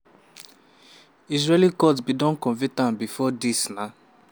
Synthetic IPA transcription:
is̬ɹelikɔtbidɔ̃nkɔ̃nvitãnbifɔdisna

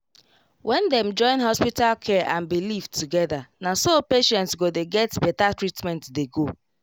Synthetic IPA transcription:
wʔɛ̃ndɛ̃md͡ʒɔ̃ɪ̃nɦɔspitalkʰɛʔãnbiliftʰuɡɛðanasopeʃɛ̃ntsɡodeɡɛtbɛtatɹitmɛ̃ntdeɡo

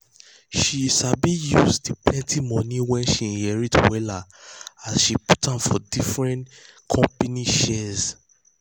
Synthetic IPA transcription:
ʃisabijuzdiplɛ̃ntimɔ̃nĩwɛ̃nʃihɛɹitʰwɛlaasʃiputãmfɔdifɹɛ̃ntkʰɔ̃mpaniʃɛz

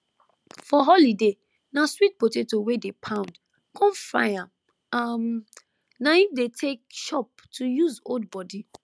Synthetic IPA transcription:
fɔɦɔlide | naswit̚potetowedepʰãʊ̃nd | kʰɔ̃mfa̰ja | am | naifdetʰek̚ʃɔp̚tʰujuzold̚bɔdi

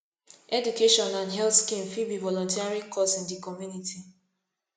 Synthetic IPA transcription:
ɛdukeʃɔ̃nãndɦɛltskifibivɔlɔ̃ntiaɹikʰɔsĩndikɔmjunitʰi

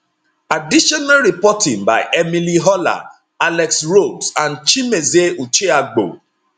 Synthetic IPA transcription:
adiʃɔnalɾipɔtɪ̃ŋba̰ɪʔemiliɦɔla̰ | alɛksɹoɡsãnt͡ʃimezeut͡ʃeaɡ͡bo̰

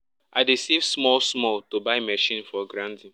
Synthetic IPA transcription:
ʔaɪɾisivsmɔlsmɔltobaɪmɛʃĩnfɔɡɾãntĩn

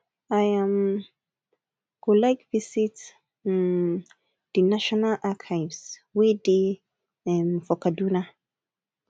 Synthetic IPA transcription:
ajãm | ɡ̥olaɪkvisit | d̥inaʃɔnalʔakʰaɪvswede | ɛ̃nfɔkaduna

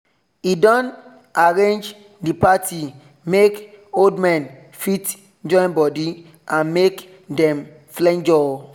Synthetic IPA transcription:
idɔ̃n | aɾẽnd͡ʒ | dipatʰi | mek | oldmɛ̃n | fit | d͡ʒɔ̃nbɔdi | ãnmek | dɛ̃m | flɛ̃nd͡ʒɔ

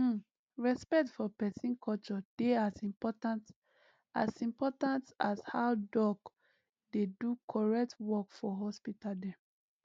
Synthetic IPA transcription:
ɹɛspɛk̚tfɔpɛsĩnkʰɔlt͡ʃɔd̥easĩpɔtãnt | a̰sĩmpɔtãntashawdɔk | dedukʰɔɹɛk̚tʰwɔkfɔɦɔspitaldɛ̃m

